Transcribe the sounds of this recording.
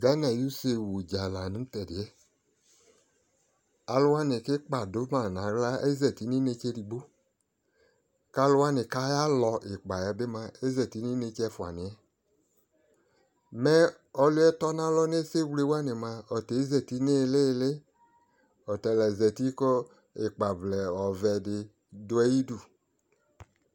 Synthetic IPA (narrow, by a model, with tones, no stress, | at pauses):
ɡa˨˦nɛ˨ju˦se˧wu˨d͡ʒa˨la˨ni˨˦tɛ˨di˨ɛ˦ | a˧lu˦wa˦ne˨ke˦k͡pa˨do˨˦ma˨na˨˦ɡla˦e˦zɛ˨ti˨˦ni˦ne˧˦t͡ʃe˧˦di˧ɡ͡bo˦ | ka˧˦lu˧wa˦ni˨ka˦ja˦lɔ˧ʔi˨k͡pa˨jɛ˧˦be˦ma˧e˦zɛ˨ti˨˦ni˦ne˧t͡ʃɛ˧fu˨a̰˨ni˨ɛ˦ | mɛ˦ | ɔ˧lu˦ɛ˦tɔ˦na˦lɔ˦ne˦se˦wle˦wa˦ni˨ma˧ɔ˨te˨˦zɛ˨ti˦ne˦˧le˦˧le˦ | ɔ˨tɛ˨lɛ˨zɛ˨ti˦kɔ˦ | e˨k͡pa˨blɛ˨ɔ˨vɛ˧dɪ˧ | do˧ɛ˦ji˦du˨